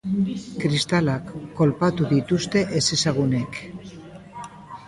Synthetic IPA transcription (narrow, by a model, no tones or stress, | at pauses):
kɾist̪alakːo̞lpat̪uðit̪ust̪e̞ʔesisaɣ̞unek